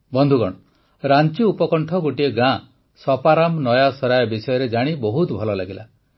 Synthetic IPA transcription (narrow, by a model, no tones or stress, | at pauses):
bɔnd̪ʱuɡɔɽ̃ɔ | ɾant͡ʃiupɔkɔɳʈʰɔɡoʈieɡã | sɔpaɾamnɔjasɔɾajɔbisɔjɔɾed͡ʒaɽ̃ibɔɦut̪bʱɔlɔlaɡila